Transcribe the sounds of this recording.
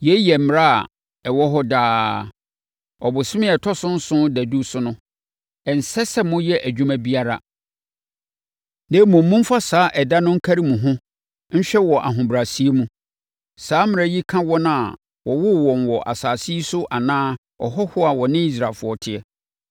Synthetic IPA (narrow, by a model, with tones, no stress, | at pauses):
jɛ˦jɛ˨m̩˨mɪ˨ɾa˦a̰˨ | ɛ˨wɔ˦ɦɔ˦daː˦ | ɔ˨bʊ˨sɪ˦mɪ̃˦ɛ˨tʰɔ˦sʊ̃˦n̩˦sʊ̃˦dæ˨du˦sʊ˦nʊ̃˦ | ɛ˨n̩˨sɛ˦sɛ˦mʊ̃˦jɛ˦ʔæ˨d͡ʑᶣu˦mæ̃˦bi˦a˦ɾa̰˨ | nɛ̃˦mʊ̃˨m̩ː˦ũ˦m̩˦fa˦saː˨˦ʔɛ˨da˦nʊ̃˦ŋ̩˦kʰa˦ɾi˦mũ˨ɦʊ̃˦ | n̩˦ɕᶣɛ˦wɔ˨ʔa˨ɦʊ̃˨bɾa˨si˦e˦mũ˦ | saː˨˦mɪ̃˨ɾa˦ji˦kʰã˦wɔ˦nʊ̃˦a̰˨ | wɔ˨wʊ˦wɔ̃˨nwɔ˨ʔa̰˨saː˨si˦sʊ˦ʔa˨nãː˦ | ɔ̰˨ɦɔ˦hʊ˦a˨wɔ˨nɪ̃˦i˦s̬ɾa˨lfʊ˨˦ɔ˨tʰɪ˨ɛ˦